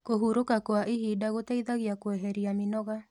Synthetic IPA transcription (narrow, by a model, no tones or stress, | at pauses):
koɦuɾokakoaʔihiːdaɣotaiðaɣiakwɛɦɛɾiaminɔɣa